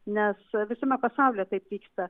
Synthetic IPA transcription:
nʲɛsʋʲɪsʊmʲɛpɐsɑˑʊlʲeːt̪ɐɪpʋʲiːkst̪ɐ

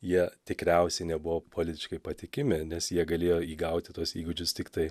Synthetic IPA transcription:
jiɛt̪ʲɪkɾʲɛˑʊsʲɛɪnʲɛbʊʋoːpʰolʲɪt̪ʲɪʃkɐɪpɐt̪ʲɪkʲɪmʲɪnʲɛsjiɛɡɐlʲeːjoːiːɡɐʊt̪ʲɪt̪uɔsiːɡʊd͡ʒʲʊst̪ʲɪkt̪ɐɪ

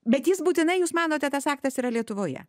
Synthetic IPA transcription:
bʲɛt̪jɪsbuːt̪ʲɪnɐɪjuːsmɑːnoːt̪ʲɛt̪ɐsɑːk̚t̪ɐsiːɾɐlʲiɛt̪ʊʋoːjɛ̰

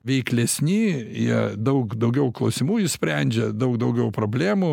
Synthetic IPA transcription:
ʋʲɛɪklʲɛsʲnʲiːjiɛd̪ɐʊkd̪ɐʊɡʲɛʊklˠɐʊsʲɪmuːɪsʲpʲɾʲænʲd͡ʒʲɛd̪ɐʊk̚d̪ɐʊɡʲɛʊpɾoːbʲlʲæːmuː

